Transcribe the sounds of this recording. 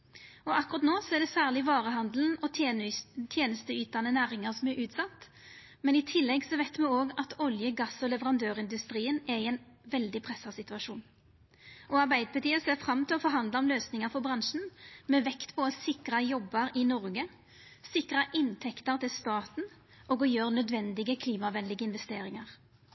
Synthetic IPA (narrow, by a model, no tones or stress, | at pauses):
ɔʔɑkːʊʁɑt̪noːsɔɛʁɖ̪ɛsæːʁlɪʋɑːʁəɦɑnd̪ln̩ɔ | t̪ʰjeːnəst̪əyːt̪ɑnənæːʁɪŋəʁsɔmɛɾʔʉːt̪sɑt̪ː | mɛnɪt̪ʰɪlːɛɡsɔʋæɪt̪mɛoːɡɑt̪ʰɔljəɡɑsɔlɛʋəɾɑnd̪øːʁɪnd̪ʉst̪ɾiːənɛɪɛnʋɛld̪ɪpʰʁɛsːɑsɪt̪ʉɑʂuːn | ʔɔɑɾbæɪd̪əpʰɑt̪ʰiːəseːfʁɑmːt̪ʰɪlɔfɔɾɦɑnd̪ləɔmløːsnɪŋəɾfɔbɾʁɑnʂn̩mɛːʋɛkt̪pʰɔsɪkɾəjɔbːəɾɪnɔʁɡə | sɪkʁəʔɪnt̪ʰɛkt̪əɾt̪ɪlst̪ɑːt̪n̩ | ɔɡɔjøːʁnœd̪ʋɛnd̪ɪɡəkʰliːmɑʋɛnlɪɡəɪnʋɛst̪eːɾɪŋɑʁ